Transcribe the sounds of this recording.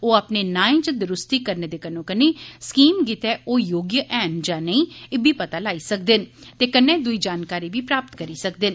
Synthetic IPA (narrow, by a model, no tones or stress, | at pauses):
oːaːpneːnãːẽːt͡ʃəd̪ɾʊst̪iːkəɾneːd̪eːkənõːkəneːskiːmɡit̪ɛːʔoːjoːɡjəʔɛːnd͡ʒãːnəĩːɪbʱiːpət̪aːlaːiːsəkd̪ɪnt̪eːkənːeːd̪ʊiːd͡ʒaːnkaːɾiːʋiːpɾaːpt̪kəɾiːsək̚d̪ɪn